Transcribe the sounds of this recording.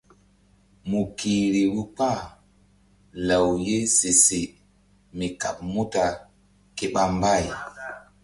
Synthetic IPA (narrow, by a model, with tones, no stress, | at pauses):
mu˨ki˨ɾi˨wu˦k͡pa˦˨ | la˨wje˦se˨se˨ | mi˨ka̰˨p̚mu˦ta˨ | ke˨ɓa˦m˦ba˦˨j